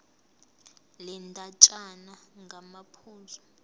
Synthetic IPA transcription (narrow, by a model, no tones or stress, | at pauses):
lɛntʼat͡ʃʼanaŋɡʱamapʰuːzɔ